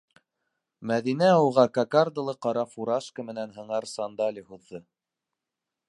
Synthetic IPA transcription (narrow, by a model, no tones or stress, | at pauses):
mæðinæowʁɑkɑkard̪ɤ̆lˠɤqɑɾɑfuɾɑʃkəmɘ̆nænɦɤ̆ɴɑɾsɑnd̪ɑlʲihuðːɤ